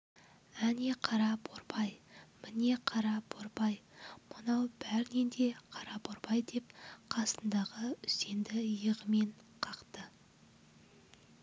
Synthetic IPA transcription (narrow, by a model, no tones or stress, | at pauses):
æneqʰɑɾɑbʰoɾbɑjmɪne̞qʰɑɾɑbʰoɾbɑjmənɑwbæɾnend̪e̞qʰɑɾɑbʰoɾbɑjd̪e̞p̚qʰɑsənd̪ɑʁəʏse̞nd̪ɪjəʁəme̞ɴqʰɑqt̪ə